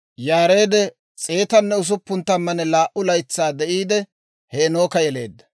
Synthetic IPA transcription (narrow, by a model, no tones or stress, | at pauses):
jaːɾe̞ːd̪ɛ | t͡sʼeːt̪ɐnːɛʊs̬ʊpːʊnt̪ːɐmːɐnɛlaːʔʊlɐjt͡sːaːd̪ɛʔiːd̪ɛ | heːno̞ːkɐjɛle̞̰ːd̪ːɐ̥